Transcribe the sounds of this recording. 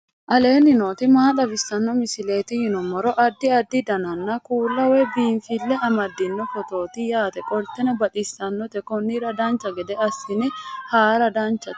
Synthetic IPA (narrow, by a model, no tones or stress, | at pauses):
ʔɐle̞ːnːɪnoːt̪ɪmaːᶑ̪ɐbɪsːɐnːɔmɪsɪle̞ːt̪ɪhɪnɔmːɐɾɔʔɐd̪ːɪɐd̪ːɪd̪ɐnɐnːɐkuːlːɐwɛbiːnfɪlːɛʔɐmɐd̪ːɪnːɔfɔt̪o̞ːt̪ɪjaːt̪ɛkʼɔlt̪ɛnɐbɐt̪ʼɪsːɐnːɔt̪ɛkɔnːiɾɐd̪aːnt͡ʃːɐɡɛd̪ɛɐsːɪnɪhaːɾɐd̪aːnt͡ʃːɐt̪